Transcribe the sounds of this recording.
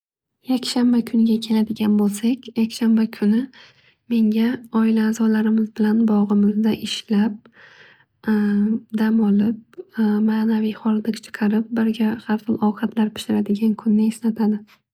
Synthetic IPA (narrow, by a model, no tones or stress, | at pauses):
jakʲʃambakʰʊnɡʲakʲʰe̞lad̪ɪɡʲanbolˠsakʲjakʲʃambakʰʊnɪ | me̞ŋɡʲaɒɪlaːzɒlaɾɪmɪzbɪlanbɒʁɨmɪzd̪aʔɪʃlap̚ | d̪amɒlɪp̚maːnavijχɒlˠd̪ɪkt͡ʃʰɨ̥qʰɑɾɪp̚bɪɾɡʲahaɾχɨlˠʔɒwqʰɑt̪ʰlaɾpʰɪ̥ʃɪɾad̪ɪɡʲankʰʊnːɪeslat̪ʰad̪ɪ